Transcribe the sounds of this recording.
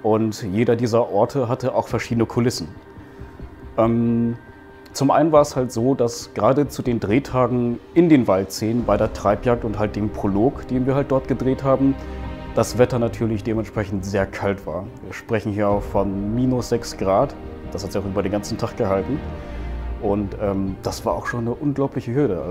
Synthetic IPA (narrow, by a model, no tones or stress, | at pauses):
ʔʊntjeːɾɐdiːzɐʔɔɐtʰəɦatəʔaʊxfɛɐʃiːdənəkʰʊlɪsn̩ | ʔɛm | t͡sʊmʔa̰ɪnənvaːɐɛshaltz̥oːdasɡ̥əʁaːdət͡sudeːndʁeːtʰaːɡŋ̩ʔɪndeːnvaltz̥eːənbaɪdeːɐtʁ̥aɪpjaːk̚tʊnthalt̚d̥eːmpʁ̥oloːkd̥eːnviːɐhalt̚d̥ɔɐt̚ɡ̥ədʁeːthaːbm̩d̥asv̥ɛtɐnatʰyːɐlɪçd̥eːmɛntʃpʁ̥ɛçn̩tz̥eːɐkʰaltv̥a̰ːɐviːɐʃpʁ̥ɛçn̩hiːɐaʊxfɔnmiːnʊsz̥ɛksɡ̥ʁaːt | d̥ashatz̥içaʊʔyːbɐɾeːnɡ̥ant͡sn̩tʰaχɡ̥əɦaltn̩ | ʔʊntʔɛːmd̥asv̥aːɐʔaʊxʃoːnːəʔʊnɡlaʊplɪçəhøːləa̰